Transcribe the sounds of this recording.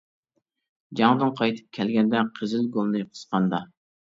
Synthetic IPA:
d͡ʒɑŋd̪ɨnqʰɑjt̪ʰɨ̥p̚kʲʰɛlɡʲɛnd̪ɛqʰəzɪlɡolˠnɨqʰə̥sqɑnd̪ɑ

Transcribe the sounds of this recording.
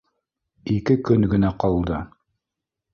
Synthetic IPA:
ikɘkɵŋɡɘ̆næqɑlˠd̪ɤ

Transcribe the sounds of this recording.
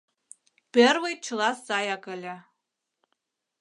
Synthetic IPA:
b̥erwejt̚t͡ʃʰɨlaszajakʼalʲa

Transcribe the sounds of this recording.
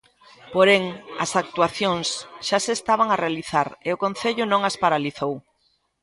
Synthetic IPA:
poɾeŋɐsak̚t̪uaθjoŋsʃasest̪aβ̞aŋarealiθaɾeʊkõnθeʎʊnõŋaspaɾaliθow

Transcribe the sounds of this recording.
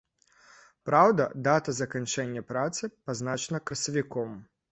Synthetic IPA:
pɾawd̪ɐd̪at̪ɐzɐkanʲt͡ʂɛnʲːɐpɾat̪sɨpaznat͡ʃɐnɐkɾɐsɐvʲikɔm

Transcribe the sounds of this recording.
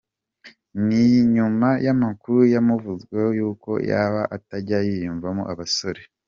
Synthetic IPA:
niɲumajamakuɾujamuvuzɡwe̞hojuːko̞̰ja̰ːβaʔataɟajijuɱvamo̰ʔaβaso̞ɾe

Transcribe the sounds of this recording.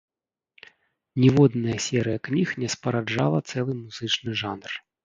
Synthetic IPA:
nʲɛvɔd̪nɐjɐsʲɛɾɨjɐknʲixnʲɛspɐɾad͡ʐa̰lˠɐt̪sɛlˠɨmuzɨt͡ʂnɨʐanr

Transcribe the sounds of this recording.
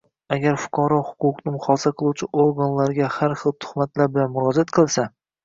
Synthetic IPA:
aɡʲaɾfʊ̥qʰɒɾɒhʊ̥qʊqnɪmʊχɒsaqʰɨlˠuwt͡ʃʰɪʔoɾɡanlaɾɡʲahaɾχɨlˠt̪ʰʊ̥χmat̪laɾbɪlanmʊɾɒd͡ʒat̪qʰɨlˠsa

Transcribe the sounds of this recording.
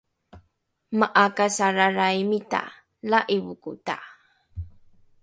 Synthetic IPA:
maʔakasaɾaɾajmita̰ | laʔiβukṵta̰

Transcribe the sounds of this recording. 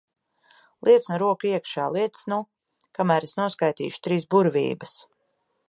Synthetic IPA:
lˠʔiɛt̪snuɾuɔkuiɛkʃaːlˠiɛt̪snu | kamæːɾesnuɔskajt̪ḭːʃu̥t̪ɾiːsbuɾvʲḭːbɐs

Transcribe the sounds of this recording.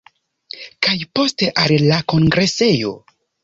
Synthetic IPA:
kajpo̞steʔallako̞ŋɡɾe̞se̞jo̞̰

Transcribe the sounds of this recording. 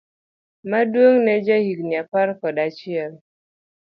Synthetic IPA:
madwoŋnɛd͡ʒahik̚ɲapaɾkɔdat͡ʃiɛl

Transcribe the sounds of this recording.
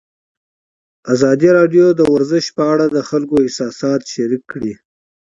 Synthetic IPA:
azɑd̪iɾɑɖjod̪əwaɾzɪʃpəaɽad̪əxalkoɪsɑsɑt̪ʃaɾikːɽi

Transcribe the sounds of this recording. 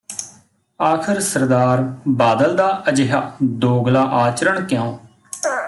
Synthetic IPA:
aːkʰɪɾsəɾd̪aːɾbaːd̪əld̪aːəd͡ʒɪɦaːd̪oːɡlaːʔaːt͡ʃɾəɳkjãː

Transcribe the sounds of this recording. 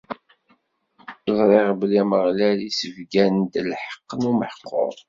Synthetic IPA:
zˤɾˤɪʁbliməʁlælisəvɡænd̪əlħə̥qːnuməħqʰːʊ̰ɾˤ

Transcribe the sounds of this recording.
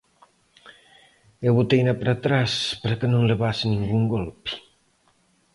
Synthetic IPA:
ewβut̪ejnapɾat̪ɾaspəɾkənõŋləβasiniŋɡuŋɡolpi̥

